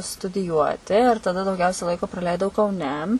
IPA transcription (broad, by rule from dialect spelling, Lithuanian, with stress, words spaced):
stʊdʲɪˈjuɔtʲɪ ɪr tɐˈdɐ dɐʊˈɡʲɛʊsʲɛ ˈlˠɐɪkoː prɐˈlʲɛɪdɐʊ kɐʊˈnʲɛ